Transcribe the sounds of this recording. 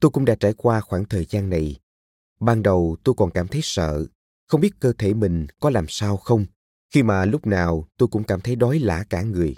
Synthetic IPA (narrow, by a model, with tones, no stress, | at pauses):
t̪o˧jkʊ̰˧˥ŋ͡mɗa̰ː˧˥t͡ɕaː˧˩jkwaː˧xwaː˧˩ŋt̪ʰəː˨˩jzaː˧nːa˨˩j | ɓaː˧nɗə˨˩wt̪o˧jkɔ˨˩nkaː˧˩mt̪ʰə˨˦jsə̰ː˧˨ | xə˧wŋ͡mɓi˦˥ət̚kəː˧t̪ʰe˧˩mï˨˩ŋ̟kɔ˨˦laː˨˩msaː˧wxə˧wŋ͡m | xi˧maː˨˩lʊ˦˥k͡p̚naː˨˩wt̪o˧jkʊ̰˧˥ŋ͡mkaː˧˩mt̪ʰə˨˦jɗɔ˨˦jla̰ː˧˩kaː˧˩ŋɨ˨˩əj